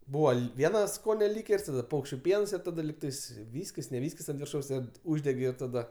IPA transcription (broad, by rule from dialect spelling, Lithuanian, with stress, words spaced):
ˈbuːʋɐ ˈlʲɪ ˈʋʲiɛnɐ ˈskoːnʲɛ ˈlʲiːkʲɛrʲsʲ ˈtɑːdɐ ˈpɐʊkʃʲt͡ʃʲʊ ˈpʲiɛns ɪr ˈtɑːdɐ ˈlʲiːktɐɪs ˈʋʲiːsʲkʲɪs nʲɛ ˈʋʲiːsʲkʲɪs ɐnt ʋʲɪrˈʃɐʊs ˈkɐt ˈʊʒʲdʲɛɡʲɪ ɪr tɐˈdɐ